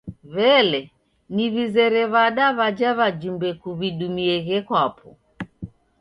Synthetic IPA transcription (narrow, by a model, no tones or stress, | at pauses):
βɛlɛ | niβizɛɾɛβaɗaβad͡ʒaβad͡ʒumbɛkuβiɗumiɛɣɛkwapɔ